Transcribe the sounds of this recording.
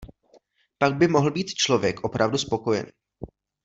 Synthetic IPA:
paɡ̚bɪmo̞ɦl̩biːt̪t͡ʃlo̞vjɛkʔo̞pɾʔavduspo̞ko̞jɛ̰n

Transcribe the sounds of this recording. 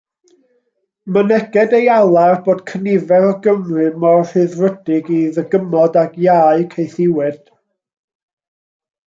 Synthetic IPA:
mənɛɡ̥ɛdejalˠarboːd̥kʰənɪvɛɾɔɡəmrɨmɔr̥ɨðrədɪɡiðəɡəmɔdaɡjaɨkʰejθɪwɛd̥

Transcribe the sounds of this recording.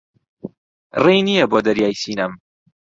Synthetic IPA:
rejnijɐboːd̪ɐɾjaːjsiːnɐm

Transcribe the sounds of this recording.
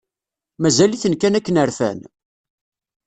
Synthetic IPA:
mæzæliθənkænækːənəɾfæ̰n

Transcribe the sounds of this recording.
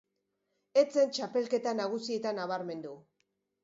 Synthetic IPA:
e̞t͡se̞nt͡ʃape̞lke̞t̪anaɣ̞usie̞t̪anaβaɾme̞nd̪u

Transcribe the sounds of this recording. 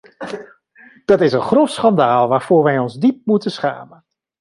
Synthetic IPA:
d̥ɑtɪsənχrofsχɑndaːlˠʋaːɹv̥oːɹʋɛjɔnzdip̚mutəsχa̰ːmən

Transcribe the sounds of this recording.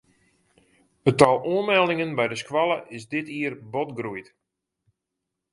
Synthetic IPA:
ətɔlˠuənmɛlˠɪŋənbɛjdəskwalˠəʔɪsdɪtiərbɔtɡrujt

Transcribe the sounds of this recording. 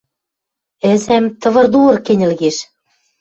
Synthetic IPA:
ɘ̆zæmt̪ɤ̆βɤ̆rd̪uɤ̆rkenʲɘ̆lɣeʃ

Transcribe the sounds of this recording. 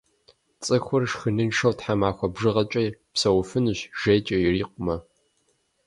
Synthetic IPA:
t͡sʼɨxʷʊrʂxɨnɨnʂɐwtħamaːxʷɐbʐɨʁɐt͡ʃʼɐjpsɐwʊfɨnɨɕʒ̥ejt͡ʃʼɐjriːqʷʼʊmɐ

